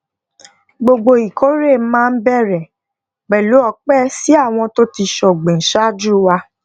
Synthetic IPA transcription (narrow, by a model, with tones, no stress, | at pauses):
ɡ͡bo˧ɡ͡bo˧i˨kʰo˦ɾe˦˨˦mãː˦˧n̩˦bɛ˦˨ɾɛ˨ | ɡ͡bɛ˨lu˨˦ɔ˧k͡pɛ˦si˦a˦˨w̃ɔ̃˧to˦ti˧ʃɔ˨ɡ͡bẽ˨ʃa˦d͡ʒu˦wa˧